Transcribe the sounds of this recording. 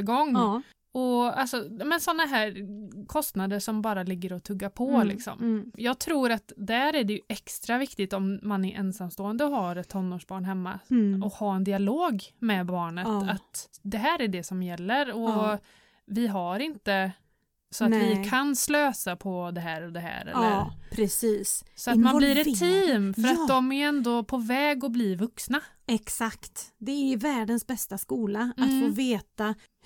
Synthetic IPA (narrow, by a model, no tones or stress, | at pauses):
ɡɔŋː | ɔalsɔaːmɛnsɔnːaɦæːɾkʰɔst̪nad̪əʂɔmbɑːɾalɪɡːəɾɔt̪ʰɵɡːapʰɔlɪ̰ksɔ̰mjɑːɡ̚t̪ʰɾuːɾat̪d̪æɾæɖɛjɵʔɛkst̪ɾavɪkt̪ɪt̪ɔmːanæɾʔɛnsamst̪oːənd̪əɔɦaɾɛt̪ʰːɔnːoːʂbɑːɳɦɛmːa̰ɔkhɑːɛnd̪ɪaloːɡmɛbɑːɳət̪at̪d̪ɛɦæːɾæɖɛsɔmjɛlːəɾɔ | vɪɦaɾɪnt̪ə | sɔat̪vɪkʰansløːsapʰɔd̪ɛɦæːɾɔd̪ɛɦæ̰ːɾɛ̰ːɾpʰɾɛsiːssɔatt̪manblɾɛt̪ʰːiːmfœɾat̪d̪ɔmæɾɛnd̪ɔpʰɔvɛːɡɔblivɵksna | ɛksakt̪d̪ɛævæːɖənsbɛst̪askuːlaat̪foːveːt̪a